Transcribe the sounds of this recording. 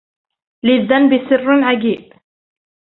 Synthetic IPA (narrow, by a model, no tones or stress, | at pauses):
lɪðːanbɪsɪrːʕaɡiːb̥̚